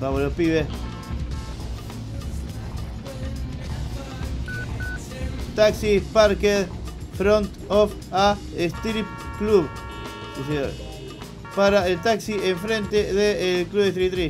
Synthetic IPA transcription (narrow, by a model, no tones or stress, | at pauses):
baβolopiβe | t̪aksipaɾkeðfɾont̪of | a | est̪ɾip | kluβ | siseɲo̰ɾ | paɾaelt̪aksiʔeɱfɾẽnt̪eðeːlkluβest̪ɾit̪ɾi